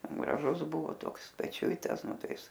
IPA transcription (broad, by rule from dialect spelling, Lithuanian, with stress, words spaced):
ɡrɐˈʒʊzˈbʊʋoː ˈtoːks pʲɛˈt͡ʃʲʊɪtɐs ˈnʊ ˈtɐɪ ˈɪs